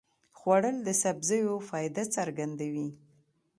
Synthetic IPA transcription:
xwaɽəld̪əsabzəjofɑjd̪at͡saɾɡand̪awi

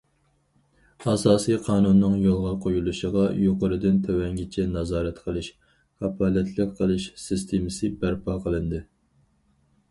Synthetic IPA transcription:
ɑsɑːsijqʰɑːnunːɨŋjolˠʁɑqʰojulˠuʃəʁɑjoqəɾɨd̪ɪnt̪ʰøwɛŋɡʲit͡ʃʰɛnɑzɑːɾɛt̪qʰəlˠɨʃ | kʰɑpʰɑːlɛt̪ʰlˠɨk̚ʲqʰəlˠɨʃsɪst̪ʰemɪsɨbæɾpɑqʰəlˠɨnd̪ɨ

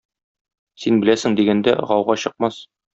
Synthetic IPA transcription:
sinbɘ̆læsɘ̆ŋd̪iɡænd̪æ̰ʁɒwʁɑɕɤ̆q̚mɑs

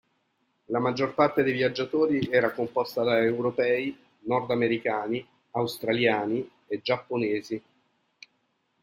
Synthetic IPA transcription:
lamad͡ʒːorpart̪ed̪ejvjad͡ʒːat̪oːɾiɛːɾakompɔst̪ad̪aewɾopɛːi | nɔrd̪ameɾikaːni | awst̪ɾaljaːni | ed͡ʒːapːoneːzi

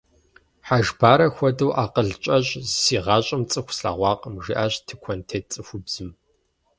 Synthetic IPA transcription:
ħaʒbaːɾɐxʷɔdɐwʔaːqəɮt͡ʃʼɐɕʼsiːʁɑːɕʼɐmt͡sʼɨxʷʰsɬa̰ːʁʷɑːqʼəmʒḭʔaːɕtʰɨkʷʰɔntʰeːt͡sʼɨxʷʊbz̥ɨm

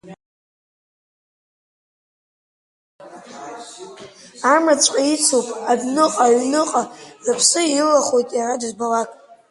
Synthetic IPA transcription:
amat͡sʷʼqʼait͡sʰopʼabnɨqʼaɥnɨqʼazapʰsɨilaχojtʼjaradzbalakʼ

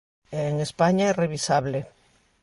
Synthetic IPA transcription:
eːŋespaɲaereβ̞isaβle

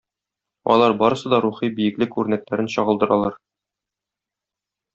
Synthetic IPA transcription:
ɒ̰lˠɑɾbɒɾɤ̆sɤd̪ɒɾuχibijɘ̆klɘkʉɾnæklæɾɘnɕɒʁɤ̆lˠd̪ɤ̆ɾɑ̰lˠɑɾ

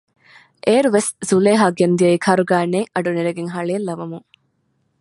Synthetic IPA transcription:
ʔeːɾuʋeszuleːɦaːɡend̪iɐiːkʰɐɾuɡaːneːŋʔɐɖuniɾɐɡeŋɦɐɭeːlːɐʋɐmuŋ

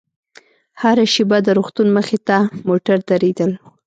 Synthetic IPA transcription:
haɾaʃebad̪əɾoxt̪unməxet̪amoʈaɾd̪aɾed̪əl

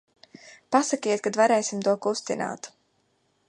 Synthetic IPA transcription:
pasakijɛt̪̚kad̪vaɾɛːsimt̪uɔkust̪ina̰ːt̪

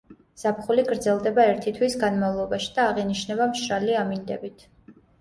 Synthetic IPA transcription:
z̥apχuliɡɾd̪zɛlˠd̪ɛbaɛɾt̪ʰit̪ʰwisɡanmavlˠɔbaʃi̥d̪̥aːʁɛniʃnɛbamʃɾaliamind̪ɛ̰bit̪ʰ

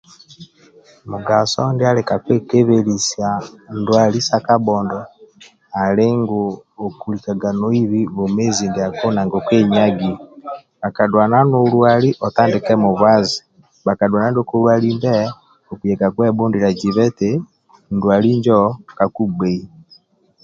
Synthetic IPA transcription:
muɡasɔndealɛkakwekeβelisjandwalisakabɔndɔ | aleŋɡoːkulikaɡanoiβiβomeːzindeakonaŋɡokweɲaɡi | βakadwananolwaliʔɔtaːndekɛmoβwazi | βakadwanandokolwalimbɛ | okujɛkakwɛbondiɾad͡ʒiβɛte | ndwaliɲd͡ʒɔkakubei

